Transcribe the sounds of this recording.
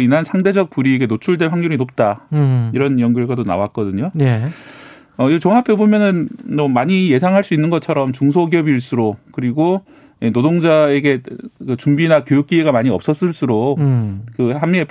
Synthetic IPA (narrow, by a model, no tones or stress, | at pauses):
inɦansʰaŋde̞d͡ʑʌk̚p͈uɾieɡe̞not͡ɕʰuɭdeɸwaŋɲuɾinop̚t͈aiɾʌnjʌŋɡjuɭɡadona̰wak͈ʌdɯɲoje | ʌit͡ɕʌŋɦapʰebomjʌnɯnmʌmaɲije̞sʰaŋɦaɭs͈uinːɯnɡʌt͡ɕʰʌɾʌmt͡ɕuŋsʰoɡiʌbiɭs͈uɾokɯɾiɡo | jenodoŋd͡ʑae̞ɡe̞kɯt͡ɕumbinakjojuk̚k͈ieɡamaɲiʌp̚s͈ʌs͈ɯɭs͈uɾo | kɯhamːiepʰ